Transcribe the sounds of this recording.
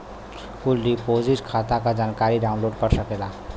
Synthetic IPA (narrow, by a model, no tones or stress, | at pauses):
kulɖipoziʈkʰat̪akad͡ʒaːnkaɾiɖaʊnloːɖkəɾsəkela